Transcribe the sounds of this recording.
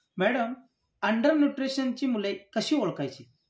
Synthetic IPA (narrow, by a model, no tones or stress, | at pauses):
mɛɽəm | əɳɖəɾnjuʈɾiɕənt͡ɕiːmulekəɕiːʋoɭkajt͡ɕi